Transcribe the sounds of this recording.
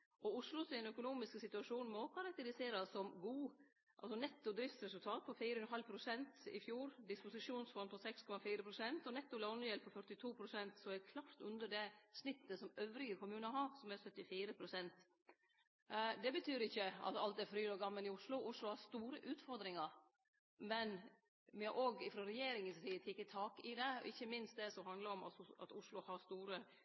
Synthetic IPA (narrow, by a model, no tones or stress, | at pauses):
ʔɔʊʂlʊsɪɛnœkʊnuːmɪsksɪt̪ʉɑʂuːnmɔkʰɑɾɑk̚t̪əɾɪseːɾɑsːɔmɡuː | ʔɑ̰lsɔnɛt̪ːʊd̪ɾɪft̪sɾɛsʉlt̪ʰɑːt̪̚pʰɔfiːɾəʉnɦɑlpʰɾʊsɛnt̪ɪ̰fjuːɾd̪ɪspʊsɪʂuːnsfɔnpʰɔsɛkskʰɔmɑfiːɾəpʰɾʊsɛnt̪ɔnɛt̪ːʊlɔnjɛlpʰɔfœʈɪt̪ʰuːpʰɾʊsɛnt̪sɔɛkʰlɑft̪ʉnd̪əɖɛsnɪt̪ːəsɔmøːʋɾɪɡəkʊmʉːnəɦɑɾsɔmɛɾsœt̪ːɪfiːɾəpʰɾʊsɛnt̪ | d̪ɛbət̪ʰyːɾɪçːəɑ̰t̪ɑlt̪ɛɾfɾyːɔɡɑmːəlɪʊʂlʊʔʊʂlʊhɑɾst̪uːɾəʔʉːt̪fɔɾd̪ɾɪŋɑɾ | mɛn | ʋɪhɑɾʔoːɡɪfɾɔɾɛjeːɾɪŋənst̪ʰiːt̪ʰɪkːət̪ʰɑːkɪd̪ɛɔ̰ɪçːəmɪnst̪d̪ɛsɔmhɑnd̪ləɾɔmɑ̰t̪ɑ̰t̪ʊʂlʊhɑɾst̪uːɾə